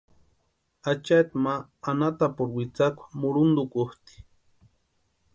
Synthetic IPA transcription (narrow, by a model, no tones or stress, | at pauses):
at͡ʃat̪maːnat̪apʊɾwit͡sakʷḁmʊɾʊnd̪ʊkʊht̪i̥